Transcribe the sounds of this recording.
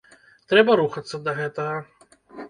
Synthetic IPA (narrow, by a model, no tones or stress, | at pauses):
t̪ɾɛbɐɾuxɐt̪sːɐd̪ɐɣɛt̪ɐɣɐ